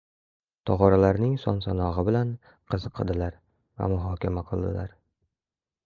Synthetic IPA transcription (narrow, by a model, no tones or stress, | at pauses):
t̪ʰɒʁɒɾalaɾnɪŋsɒ̰nsanɒʁɨbɪlan | qʰɨzɨqʰːɨlˠd̪ɪlaɾ | va̰mʊɦɒkʲamaqʰɨlˠd̪ɪ̰la̰ɾ